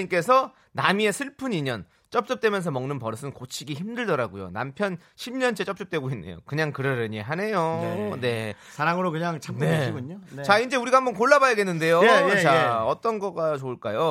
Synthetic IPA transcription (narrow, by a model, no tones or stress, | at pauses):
ik͈e̞sʰʌ | namie̞sʰɯɭpʰɯniɲʌn | t͡ɕ͈ʌp̚t͡ɕ͈ʌp̚t͈we̞mjʌns̬ʰʌmʌŋnɯnpʌɾʌsʰɯnkot͡ɕʰiɡiçimdɯɭdʌɾaɡojo̰na̰mpʰjʌnɕʰimɲʌnt͡ɕʰet͡ɕ͈ʌp̚t͡ɕ͈ʌp̚t͈we̞ɡoinːḛjo̰kɯɲaŋkɯɾʌɾɯɲeɦane̞jone̞ | sʰaɾaŋɯɾokɯɲaŋt͡ɕʰaneɕiɡuɲot͡ɕaind͡ʑe̞uɾiɡaɦambʌnkoɭːabajʌɡe̞nːɯnde̞jot͡ɕaeʌt͈ʌnɡʌɡat͡ɕoːɭk͈ajo